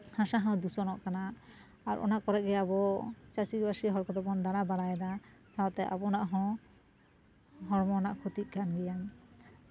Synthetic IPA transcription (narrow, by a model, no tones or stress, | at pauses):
hãʃaɦɔ̃d̪usɔnɔʔkanaː | ɾʔɔ̰naʔkɔɾɛʔ̚ɡɛabɔt͡ʃasibasiɦɔɾkɔd̪ɔbɔnd̪aɽabaɽajɛd̪asawt̪ɛʔa̰bɔnaʔɦɔ̃ | ɦɔɽmɔnaʔkʰut̪it̪̚kanɡɛjan